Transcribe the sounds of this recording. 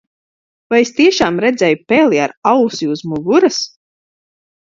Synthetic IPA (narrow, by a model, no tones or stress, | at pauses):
vajest̪iɛʃaːmɾɛd̪zʲɛjupɛːlˠiaɾawsiuzmuɡuɾas